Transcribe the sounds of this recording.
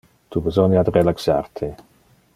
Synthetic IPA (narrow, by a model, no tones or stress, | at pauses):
t̪ʰubezonjad̪relaksa̰rt̪ʰe